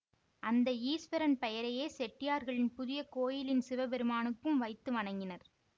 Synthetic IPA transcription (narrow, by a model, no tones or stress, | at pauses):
ʔɐnd̪ɐiːsʋɐɾɐnpɛjɐɾɐjeːsɛʈːɪjaːɾɣɐɭɪnpʊðɪjɐkoːjɪlɪnsɪʋɐbɛɾɯmaːnɯkːɯmʋɐɪt̪ːɯʋɐɳɐŋɡɪnɐɾ